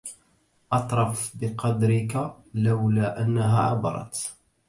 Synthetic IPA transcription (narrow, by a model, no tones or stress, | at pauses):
ʔɑt̪ˤɾˤɑfbəqɑd̪ɾɪka | ləwlæʔænːaɦæ̰ʕɑ̰bɑ̰ɾˤɑ̰t̪